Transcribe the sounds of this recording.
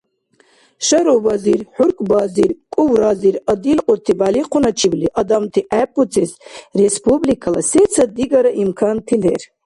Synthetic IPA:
ʃɐɾɔvaziɾħuɾkʼbaziɾkʼuwɾaziɾɐd̪ilqʼɔt̪ʰibaliqʰunat͡ʃʰibliʔɐd̪amt̪ʰiʔɛpʼut͡sʰisrespʰublikʰala̰sɛt͡sʰad̪iɡaɾaʔimkʰant̪ʰilɛɾ

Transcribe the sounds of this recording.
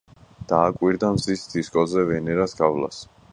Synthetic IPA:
d̪̥aːkʼwiɾd̪amzisd̪ʰiskʼɔzɛvɛnɛɾasɡ̥avla̰s

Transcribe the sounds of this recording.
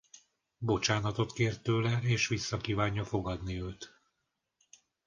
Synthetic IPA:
bo̞t͡ʃaːnɒt̪o̞t̪keːrt̪øːlɛeːʃʋisːɒkiːvaːɲːɒfo̞ɡɒd̪niøːt̪

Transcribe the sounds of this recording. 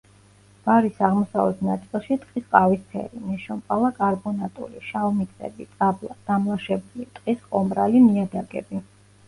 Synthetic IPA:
b̥aɾisaʁmɔsavɛt̪ʰnat̪sʼilˠʃit̪ʼqʼisqʼavisp̪ʰɛ̰ɾinɛʃɔmpʼalˠakʼaɾbɔnat̪ʼṵliʃalmit̪sʼɛ̰bit̪sʼablˠad̪̥amlˠaʃɛbulit̪ʼqʼisqʼɔmɾalimiad̪aɡɛ̰bi

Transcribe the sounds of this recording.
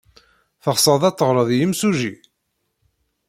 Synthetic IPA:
θəʁsˤəðˤɑt͡s̪ˤːəʁɾˤəðjimsuʒi

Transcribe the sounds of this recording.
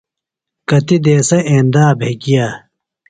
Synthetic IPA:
kɐt̪id̪eːsɐʔẽːnd̪aːbʱeːɡijaː

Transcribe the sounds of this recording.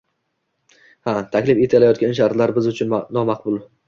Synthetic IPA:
hat̪ʰakʲlɪfe̞t̪ʰalajɒt̪̚ɡʲanʃ̬aɾt̪laɾbɪzʊt͡ʃʰʊnnɒmaqbʊlˠ

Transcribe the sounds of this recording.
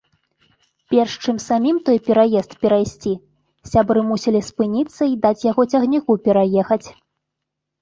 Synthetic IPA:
pʲɛrʂt͡ʂɨmsamʲimt̪ɔjpʲɛɾajɛst̪pʲɛɾajsʲt͡sʲi | sʲabɾɨmusʲilʲispɨnʲit̪sːɐid̪at͡sʲjaɣɔt͡sʲɐɣnʲikupʲɛɾajɛxɐt͡sʲ

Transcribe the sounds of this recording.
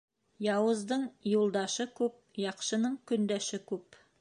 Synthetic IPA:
jɑwɤ̆zd̪ɤɴjulˠd̪ɑʃɤkʉp̚jɑqʃɤ̆nɤɴkɵ̆nd̪æʃɘkʉp

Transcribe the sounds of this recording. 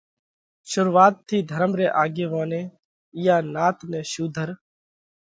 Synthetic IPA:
ʃʊɾʋaːt̪ʰːiːd̪ʱəɾəmɾeːʔaːɡeːʋãːnẽː | ɪjaːnaːt̪nẽːʃuːd̪ʱəɾ

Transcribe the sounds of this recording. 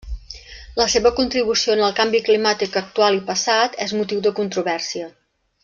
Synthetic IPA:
ləseβəkunt̪ɾiβ̞usionəlˠkambiklimat̪ikək̚t̪ualipəsat̪ɛzmut̪iwd̪əkunt̪ɾuβɛrsiə

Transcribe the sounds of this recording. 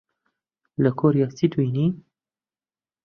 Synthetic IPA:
ləkʰoɾjat͡sit̪wiːni

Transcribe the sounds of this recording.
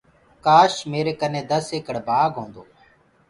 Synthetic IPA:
kaːʃmeːɾeːkənẽːd̪əseːkəɽbaːɡʱɦõːnd̪oː

